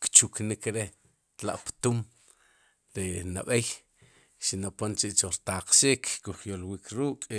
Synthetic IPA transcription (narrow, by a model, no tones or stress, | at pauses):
kt͡ʃuknikɾe | t̪la̰ʔpt̪um | ɾinaɓej | ʃinapont͡ʃiʔt͡ʃoɾt̪aqʃiːkkuχjolwiːkʰɾuːkʼ